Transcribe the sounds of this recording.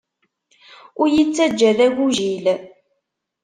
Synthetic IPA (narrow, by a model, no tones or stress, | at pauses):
ʊɾjit͡sːæd͡ʒːæðæʝuʒil